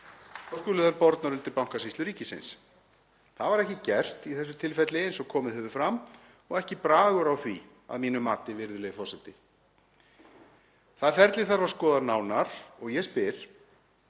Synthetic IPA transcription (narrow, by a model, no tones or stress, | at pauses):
ɔwskʏːlʏθaɾpɔɾt̪naɾʏnt̪ɪɾpawŋ̥kasist̪lʏɾiːcɪsɪ̰ns | θaðvaɾɛhcɪcɛr̥t̪iθɛs̬ːʏ̥t̪ʰɪlfɛt̪lɪensɔkʰɔːmɪðhʏvʏfɾam | ɔɣɛhcɪpɾaːɣʏɾawθvi | a̰ðmiːnʏmaːt̪ɪvɪɾðʏlɛɣɪfɔrsɛt̪ɪ | θaðfɛɾt̪lɪθaɾvaɾ̥skɔːðaɾnaːwnaɾ̥ɔɣjɛspɪɾ̥